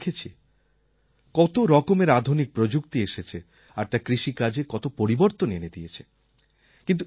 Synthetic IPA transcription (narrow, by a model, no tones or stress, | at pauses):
kʰet͡ɕʰi | kɔt̪oɾɔkomeɾad̪ʱunik̚pɾod͡ʑuk̚t̪ieʃet͡ɕʰe | aɾt̪akɾiʃikad͡ʑekɔt̪opoɾiboɾt̪onened̪iet͡ɕʰe | kint̪u